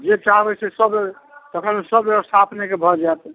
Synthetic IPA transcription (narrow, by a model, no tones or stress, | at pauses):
d͡ʒet͡ʃaɦbɛsesəb | t̪əkʰənsəbest̪ʰapnekebʱɔd͡ʒaet̪